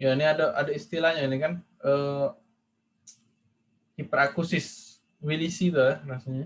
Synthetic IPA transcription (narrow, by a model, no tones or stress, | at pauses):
janiadaʔadaist̪ilahɲanikanʔə | hipɾakusɪs | wilisit̪ujahɾasaɲa